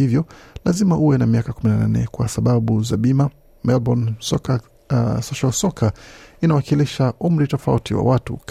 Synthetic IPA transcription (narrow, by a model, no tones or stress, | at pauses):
ivjɔlazimaʔuwɛnamiakakuminananɛ̰kwasaɓaɓuzaɓima | mɛlbɔnsɔka | sɔʃalsɔkʰainawakiliʃaʔum̩ɾitɔfautiwa̰watṵk